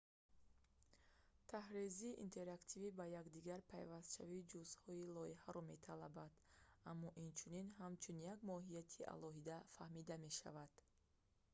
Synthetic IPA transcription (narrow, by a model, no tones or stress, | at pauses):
t̪ʰahɾiziːʔint̪ʰe̞ɾakt̪ʰivibajaɡd̪iɡaɾpʰajvast̪ʃa̰vid͡ʒuzhɔilɔihaɾɔme̞t̪ʰalabad̪̥amːɔʔint͡ʃʰuninɦamt͡ʃʰunjaɡmɔɦijat̪ʰiʔa̰lɔɦid̪afahmid̪ame̞ʃa̰vad̪̥